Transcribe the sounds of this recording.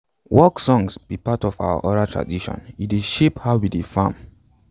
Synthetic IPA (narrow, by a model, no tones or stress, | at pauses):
wɔksɔ̃ŋsb̥ipatɔfa̰ʊa̰ʔɔɾatʰɹa̰diʃɔ̰̃nideʃephaʊwidefãm